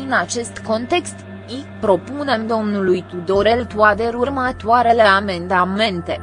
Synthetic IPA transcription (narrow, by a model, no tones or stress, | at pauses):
ɨnat͡ʃe̞st̪ko̞nt̪e̞kst̪ | ipɾo̞pune̞md̪o̞mnulujt̪ud̪o̞ɾe̞lt̪uat̪e̞ɾurmət̪oaɾe̞le̞ame̞nd̪ame̞nt̪e̞